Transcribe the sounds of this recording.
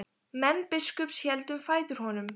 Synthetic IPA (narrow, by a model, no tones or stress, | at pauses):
mɛnpɪskœpsçɛlt̪ʏmfaːjðʏɾ̥hɔnʏm